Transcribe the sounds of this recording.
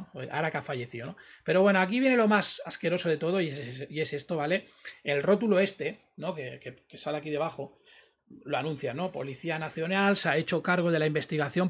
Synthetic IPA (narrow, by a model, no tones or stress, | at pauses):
ʔa̰ɾakafaʝe̞θionope̞ɾoβwe̞no̞ak̬iβ̞je̞ne̞lo̞masaske̞ɾo̞so̞ðe̞t̪o̞ð̞o̞iie̞se̞st̪o̞βale̞ | elro̞t̪ulo̞e̞st̪e̞ | no̞ke̞keke̞saleakiðe̞β̞axo̞ | loanũn̟θjannːo̞po̞̰liθianaθjo̞nalseae̞t͡ʃo̞kaɾɣ̞o̞ð̞e̞laimbe̞st̪iɣ̞aθjo̞m